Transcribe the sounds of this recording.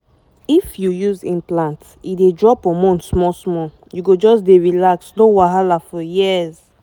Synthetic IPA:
ifjujuzĩmplãnt | idedɹɔpɔ̃mɔ̃ntsmɔsmɔ | juɡod͡ʒɔsdeɹilaksnõwaɦalafɔjiz

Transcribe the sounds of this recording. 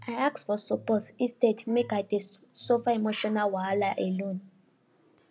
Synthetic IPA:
ajaksfɔsɔpɔtistedmekajdesofaemoʃɔnawalaʔɛlõn

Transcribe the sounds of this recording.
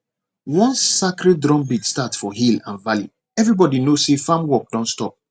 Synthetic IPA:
wɔ̃nsakɾɛt̚dɹɔ̃mbidstatsfɔɦilã̰nvalḭ | ɛvɹibɔdinosefãmwɔk̚dɔ̃ntstɔp̚

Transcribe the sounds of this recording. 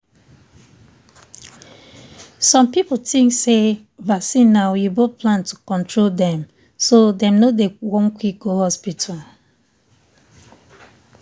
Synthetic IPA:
sɔ̃mpipotĩŋkse | vasĩnːaʊjubopʰlãntʰukɔ̃ntɹoldɛ̃m | sodɛ̃mnodewõnkwik̚ɡohɔspitʰal

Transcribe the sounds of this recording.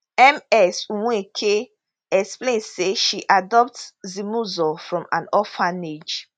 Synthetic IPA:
ɛmɛsuwũekʰe | ɛksplẽnseʃiʔadɔp̚tzimuzɔfɹɔ̃mã̰nɔfãned͡ʒ

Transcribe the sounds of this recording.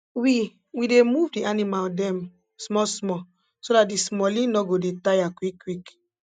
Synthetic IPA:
wi | widemuvdianimaldɛ̃m | smɔsmɔ | sodat̚dismɔlĩnnɔɡodetajakwikːwik

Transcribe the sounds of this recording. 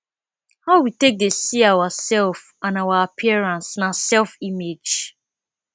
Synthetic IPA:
haʊwitek̚desiawasɛlf | ãnawaapʰiɛɹãnsnasɛlfimed͡ʒ

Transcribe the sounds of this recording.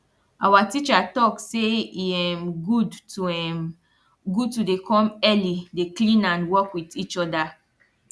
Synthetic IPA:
ʔawatit͡ʃatɔkseiɛmɡudtuɛm | ɡutudekʰɔ̃mɛlideklĩnãnwɔkwitit͡ʃɔda

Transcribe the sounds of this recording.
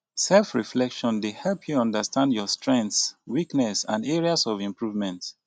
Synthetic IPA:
sɛlfɹiflɛkʃɔ̃ndehɛlˠpʰjuɔ̃ndəstãndjɔstɹɛ̃ntswiknɛsãndɛɹiasɔvĩmpɹuvmɛ̃nt

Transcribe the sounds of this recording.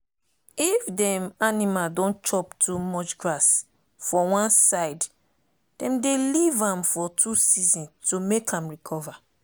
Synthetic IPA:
ifdɛ̃manimaldɔ̃nt͡ʃɔptʰumɔt͡ʃɡɹas | fɔwãnsaɪd | d̥ɛ̃mdelivãmfɔtʰusizĩntumekʰãmɹikʰɔva

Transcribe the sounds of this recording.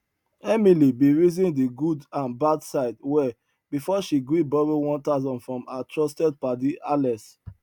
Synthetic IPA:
ɛmilibiɹizĩndiɡudãnbadsaɪdwɛ | bifɔʃiɡɹibɔɹiwɔ̃ntaʊzɔ̃nfɹɔ̃matʰɹɔstɛd̚padiʔalɛs

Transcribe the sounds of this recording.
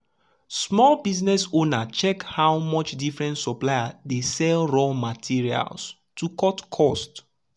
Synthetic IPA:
smɔlbiznɛsonat͡ʃɛkhawmɔt͡ʃdifɹɛ̃ntsɔplajadesɛlɹɔlmatʰiɹia̰ls | tukɔtkʰɔst

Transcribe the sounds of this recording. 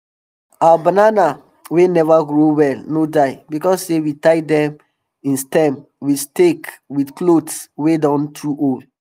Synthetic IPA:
abanana | wenɛvaɡɹowɛlnodaɪbikɔsːewitaɪdɛ̃m | ĩnstɛ̃m | wistekwidklodswedɔ̃ntʰuʔol

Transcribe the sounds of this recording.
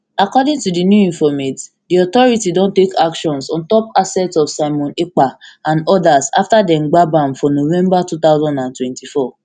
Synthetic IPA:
akɔdĩŋtudinjuĩɱfɔmet | diɔt̪ɔɾitidõntekakʃɔ̃nsɔ̃ntɔp̚asɛtsɔfsaɪmɔ̃nek͡paãnɔdasa̰ftadɛ̃mɡ͡babãmfɔnovɛ̃mbatut̪aʊzɔ̃ndãntwɛ̃ntifɔ

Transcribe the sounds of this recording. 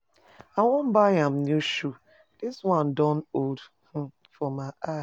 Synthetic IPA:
awɔm̩baãm̩njuʃu | d̥ɪswãndɔ̃nod | h̩ | fɔmaʔa

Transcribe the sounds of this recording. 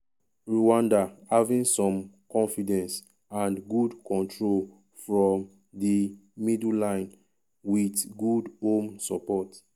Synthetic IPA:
ɹuwãndahavĩnsɔ̃mkɔ̃nfidɛ̃ns | ãnɡudkɔ̃ntʰɹol | fɹɔ̃m | dimidllãɪ̃n | witɡudhõmsɔpɔt

